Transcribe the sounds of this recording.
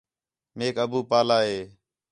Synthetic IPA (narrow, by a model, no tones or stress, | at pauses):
meːkəbuːpaːlaːɦeː